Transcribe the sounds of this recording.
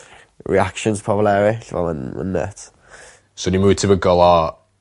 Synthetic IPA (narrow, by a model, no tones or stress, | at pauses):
ɹḭakʃənspʰɔvlˠɛɾɪɬvɔ̰lˠənə̰nːə̰t | sonimutʰɪvəɡɔlˠa